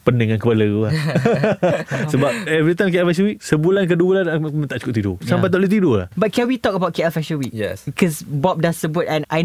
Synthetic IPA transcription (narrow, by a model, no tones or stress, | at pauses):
pənəŋãnkəpaləua | səbap̚ɛvɾit̪aj̃mkeʔɛlfɛʃ̬əwiʔsəbulank̬ədubulanamət̪aʔt͡ʃukʊp̚t̪ido̰sapajt̪aʔlut̪idola̰hbat̚kɛ̃nwit̪ɔkəbawt̚keɛlfɛʃəwiʔjɛ̰skʰɔsbɔp̚dassəbut̚ɛ̃naj